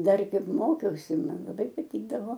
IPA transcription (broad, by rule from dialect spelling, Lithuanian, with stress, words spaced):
ˈdɐr ˈkɐɪp ˈmoːkʲɛʊsʲɪ ˈmɐn lˠɐˈbɐɪ pɐˈtʲiːɡdɐʋoː